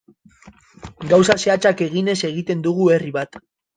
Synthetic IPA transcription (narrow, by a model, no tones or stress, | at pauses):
ɡawsaseat͡ʃake̞ɣ̞ine̞se̞ɣ̞it̪e̞nd̪uɣ̞ue̞riβat̪